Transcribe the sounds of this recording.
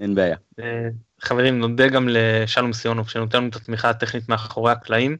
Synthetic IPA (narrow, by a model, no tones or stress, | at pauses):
enbeaja | e | χave̞ʁimno̞de̞ɡamle̞ʃalumsijo̞nokʃenot̪enuet̪at̪miχat̪e̞χnit̪meaχo̞ʁehaklaim